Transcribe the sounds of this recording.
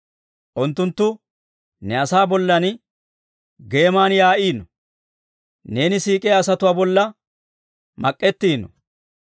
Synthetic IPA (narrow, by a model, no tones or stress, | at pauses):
ʔʊnt̪ːʊnt̪ːʊ | nɛɐsaːbɔlːɐn | ɡe̞ːmaːnjaːʔiːnːɔ | ne̞ːnɪsiːkʼɛjɐsɐt̪ʊwaːbɔlːɐ | mɐkʼːɛt̪ːiːnːɔ̰